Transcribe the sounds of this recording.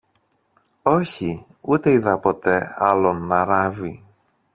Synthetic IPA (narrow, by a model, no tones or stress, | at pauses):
o̞çi | ut̪e̞iðɐpo̞t̪e̞ɐlo̞nːɐɾɐvi